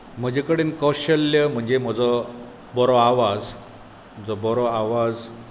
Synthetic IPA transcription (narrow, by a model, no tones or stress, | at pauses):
m̤əd͡ʑekəɽenkɔɕəlːjəm̤əɳd͡ʑem̤əd͡zɔ | bɔɾɔaʋad͡z | m̤əd͡zɔbɔɾɔaʋad͡z